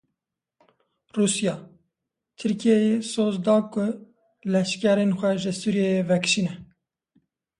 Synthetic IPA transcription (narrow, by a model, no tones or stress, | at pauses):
ruːsjɑː | t̪ʰɨɾkʰijɛjesoːzd̪ɑːkʊ | lɛʃkɛɾeːnxʷɛʒɪsuːɾjejevɛkʃiːnɛ